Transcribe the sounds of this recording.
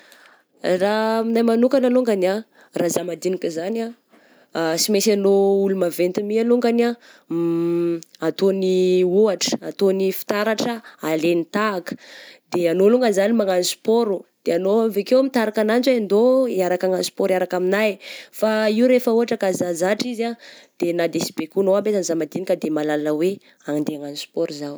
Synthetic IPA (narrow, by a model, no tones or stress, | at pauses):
raminajmanukanaluŋɡana | razamad̪inikʲizana | simesanoulumavent̪imialuŋɡana | at̪oniuaʈ͡ʂə̥at̪onifi̥t̪aɾaʈ͡ʂəalenit̪akə̥d̪̥eanoluŋɡəzanimaŋanisu̥poɾud̪̥eanoamvekewmit̪aɾakanand͡ʒaand̪oiaɾakaŋansi̥poɾiaɾakaminajfaiuɾefəuɦaʈ͡ʂəkazazaʈ͡ʂizad̪̥enad̪esi̥bekunoabet̪anzamad̪inikəd̪emalaləwe | aŋind̪eaŋanisu̥poɾuzaw